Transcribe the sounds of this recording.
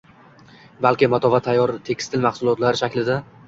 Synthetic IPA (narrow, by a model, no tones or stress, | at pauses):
balkʲɪmat̪ʰɒvat̪ʰajːɒɾt̪ʰe̞kʲʰɪst̪ʰɪlmaχsʊlˠɒt̪laɾʃakʲlɪd̪a